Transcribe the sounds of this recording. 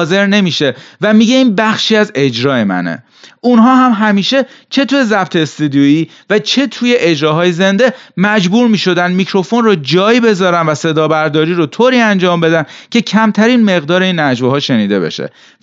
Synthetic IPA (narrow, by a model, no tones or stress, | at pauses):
ze̞ɾne̞miːʃe̞væmiɟe̞iːnbæxʃiːæze̞d͡ʒɾɒːe̞mæ̰nḛ | ʔunɦɒːɦæmɦæmiːʃe̞t͡ʃʰe̞t̪ʰuːje̞zæb̚t̪ʰest̪ed̪ioiː | væt͡ʃʰe̞t̪ʰuje̞ʔed͡ʒɾɒːɦɒːjeze̞nd̪e̞mæd͡ʒbuːɾmiːʃo̞d̪ænmicʰɾo̞fo̞nrod͡ʒɒːjbe̞zɒːɾænvæse̞d̪ɒːbæɾd̪ɒːɾiːɾot̪ʰoːɾiːænd͡ʒɒːmbe̞d̪æncʰe̞cʰæmt̪ʰæɾiːnme̞ɣd̪ɒːɾe̞iːnːæd͡ʒvoɦɒːʃe̞niːd̪e̞̰be̞̰ʃḛ